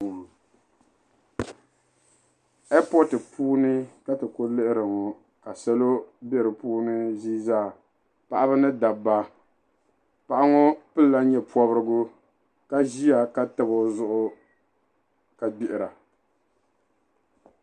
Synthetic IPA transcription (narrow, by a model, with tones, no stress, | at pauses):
ɛ˦pɔ˦tɨ˨pʰuː˦nɨ˦ka˦tɨ˨ko˦lɨ˦ʔɪ˦ɾɨ˨ŋo˨ | ka˨sɛ˦lo˦bɛ˦˨ɾɨ˨puː˦nɨ˦ziː˦zaː˦˨ | pa˨ʔa˦bɨ˦nɨ˦da˨ba˦ | pa˨ʔa˦ŋo˦pɨ˦lːa˦ɲɛ˨pɔ˦bɨ˦ɾɨ˦ɡʊ˦ | ka˦ʒi˦a˨ka˦tɨ˨bo˨zʊ˦ʔʊ˦ | ka˨ɡ͡bi˦ʔɪ˨ɾa˨